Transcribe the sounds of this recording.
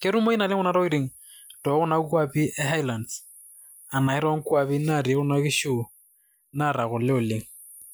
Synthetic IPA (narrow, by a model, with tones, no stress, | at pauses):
kɪ˦ɾu˦mo˦i˦na˨lɪ˦ŋʊ˦na˦ɾɔ˦i˦ɾe˨ŋ̩ | tɔ˨˦ɣʊ˦na˦kwapi˦ʔɛ˦ɦa˦i˦la˨nds | a˨na˨ɛ˦ɾɔ˦ŋ̩˦kwa˨bi˦na˦˨ɾi˨˦ɣʊ˦na˦kɪ˦ʃo˦˨ | naɾa˨ɣʊ˨lɪ˦ʊ˨le˦ŋ̩